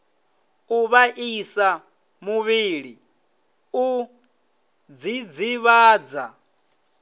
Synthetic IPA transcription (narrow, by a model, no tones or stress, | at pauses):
uβaʔisa | muβiɺi | u | d͡zid͡ziβaːd͡za